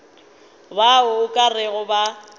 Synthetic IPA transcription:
baʊʊkʼarɪɣʊba

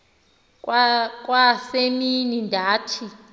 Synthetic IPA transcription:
kʼwaseminindʱaːtʰi

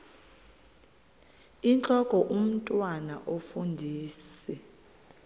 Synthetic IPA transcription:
int͡ɬʼɔkʼɔʔum̩tʼwanaʔofundʱiːsi

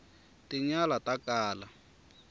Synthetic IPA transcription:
tʼiɲalatʼakaːla

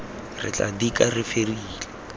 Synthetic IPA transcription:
rɪ̰t͡ɬʼa̰dikarɪferiːlɛ

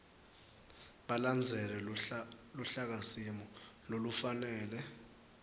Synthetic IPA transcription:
ɓaland͡zʱɛlɛ | luɬak̬asimɔlolufanɛːlɛ

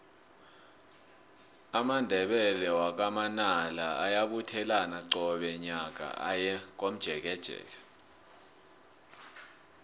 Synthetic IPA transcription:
amandʱɛɓɛlɛwak̬amanalaajaɓutʰɛlanaǀɔɓɛɲak̬a̰a̰jɛk̬ʼom̩d̥ʒ̥ʱɛk̬ɛd̥ʒ̥ʱɛ̰ːlɛ

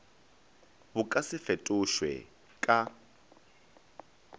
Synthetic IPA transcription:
βʊkʼasɪfetʼʊʃwɛ̰ | kʼa

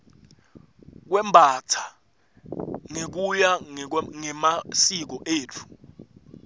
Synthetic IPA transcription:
k̬wɛmbʱatʰḁ | ŋek̬ujaŋɛmasik̬ɔʔeːt͡fʰu̥

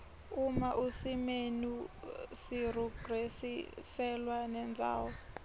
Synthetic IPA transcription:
umaʔusimenusir̤ɔɡrɛsisɛlwanɛnd͡zʱa̰ːwɔ

